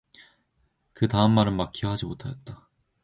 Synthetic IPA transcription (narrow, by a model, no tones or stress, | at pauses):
kɯtaɯmːaɾɯnmak͈̚ʰiɦad͡ʑimotʰajʌt̚t͈a